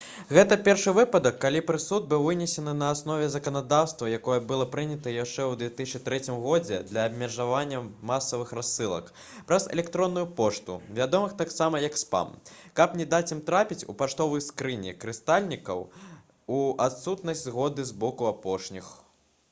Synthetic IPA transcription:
ɣɛt̪ɐpʲɛrʂɨvɨpɐd̪ɐkːalʲipɾɨsud̪̚bɨwvɨnʲɛsʲɛnɨnɐːsnɔvʲɛzɐkɐnad̪awst̪vɐjakɔjɐbɨlˠɔpɾɨnʲɐt̪ɐjaʂt͡ʂɛwd̪vʲɛt̪ɨsʲt͡ʃɨt̪ɾɛt͡sʲimɣɔd͡zʲɛ̰d̪lʲɐːbmʲɛʐavanʲːɐmasɐvɨxrasːɨlˠɐ̰k | pɾɐzɛ̰lʲɛkt̪ɾɔnːujupɔʂt̪ṵvʲad̪ɔmɨxt̪aksamɐjɐkspa̰mkɐpnʲɛd̪at͡sʲimt̪ɾapʲit͡sʲṵpaʂt̪ɔvɨjskɾɨnʲḭkɾɨst̪alʲnʲikɐ̰w | uʔat̪sut̪nɐsʲdʲzɣɔd̪ɨzbɔkuapɔʂnʲix

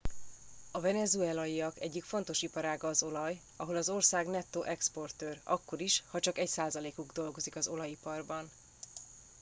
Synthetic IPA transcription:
ɒvɛnɛzuɛlɒjiɒkɛɟːikfo̞nt̪o̞ʃipɒɾaːɡɒːzo̞lɒj | ɒɦo̞lɒzo̞rsaːɡnɛt̪ːoʔɛkspo̞rt̪øːrɒ̰kːo̞ɾiʃhɒt͡ʃɒkɛcsaːzɒleːkuɡd̪o̞lɡo̞zikɒzo̞lɒjipɒrbɒn

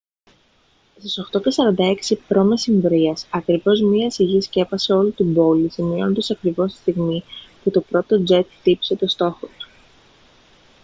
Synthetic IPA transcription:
st̪iso̞xt̪o̞cesɐɾɐnd̪ɐe̞ksipɾo̞mesiɱvɾiɐsɐkɾivo̞zmiɐsiʝisce̞pɐse̞o̞lit̪ibo̞lisimio̞nond̪ɐsɐkɾivo̞st̪i̥st̪iɣmiput̪o̞pɾo̞t̪o̞d͡ze̞t̪t̪ipi̥se̞t̪ost̪o̞xot̪u̥

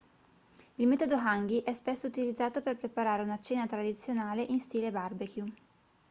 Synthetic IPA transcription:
ilmɛːt̪od̪oɦaŋɡiʔɛspesːout̪ilid̪zːaːt̪operpɾepaɾaːɾeunat͡ʃeːnat̪ɾad̪it̪sːjonaːleʔinst̪iːlebarbekju

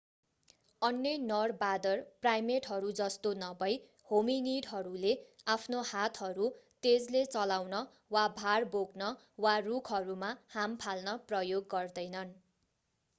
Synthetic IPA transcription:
ʌnjʌjnʌrbad̪ʌrprajmeʈɦʌɾud͡zʌst̪onʌbʌj | hominiɖɦʌɾuleapʰnohat̪ʰɦʌɾut̪ed͡zlet͡sʌlawnʌ | wabʱarboɡnʌ | warukʰɦʌɾumahampʰalnʌprʌjoɡːʌrd̪ʌjnʌn

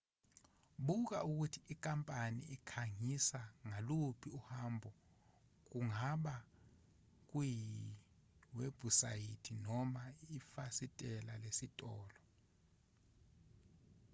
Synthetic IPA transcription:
ɓuk̬a̰ʔuk̬utʰiik̬ʼampʼanḭikʰaŋisaŋalupʰiuhambʱɔ | k̬uŋaɓa | k̬uji | web̥ʱusajitʰinɔmaifasitʼɛlalesitʼɔːlɔ

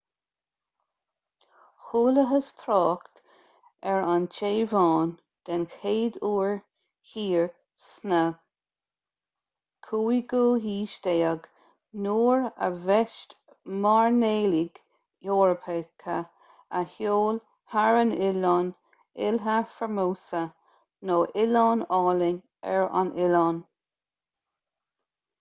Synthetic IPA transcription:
xuːləɦəst̪ʰɾɑːkt̪ | ɛɹant͡ʃʰeːvɑːn | d̪̥ɛnxʰeːd̪uːɹ | hiːɹ | snəɡ | kʰuːiɡuːɦiːʃd̪eːəɡ | nuːɹə̰vɛʃt | maɹneːliɡ | joːɹəpʰekʰə | əhjoːl | haɹənɪlɑn | ɪlɦəfəmoːsə | noːʔɪlɑːnɑːlɪŋ | ɛɹa̰nʔɪlɑːn

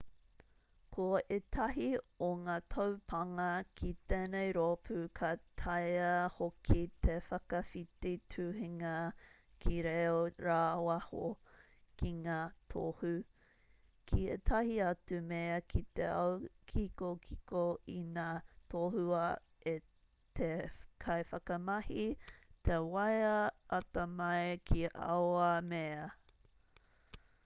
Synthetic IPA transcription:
kʰoet̪ʰɐɦioŋaːt̪ʰɐwpʰɐŋɐkʰit̪eːnejɾoːpʰʉkʰɐt̪ʰajɐhokʰit̪ʰefɐkɐfititʰʉːɦiŋɐ | kʰiɾeoɾaːwɐho̰ | kʰiŋaːtʰohu | kʰiḛt̪ʰɐhiɐtumeɐkʰit̪eɐ̰wkʰikokʰikoinaːtʰoːhuɐ | e | t̪ʰekʰɐjfɐkɐmɐhit̪ʰewɐjɐʔɐtɐmɐekʰiʔɐ̰wɐmeɐ

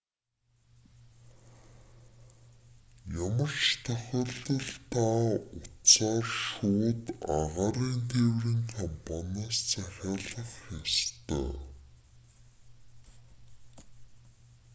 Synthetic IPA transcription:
jamə̆r̥t͡ɕt̪ʰœxʲə̆ɮt̪ə̆ɮt̪ʰaːʊt͡saːrʃuːt̪aʁaɾiːnt̪ʰewrĭŋkʰampɔnaːst͡sʰæxʲaːɮə̆χxast̪œ̰ː

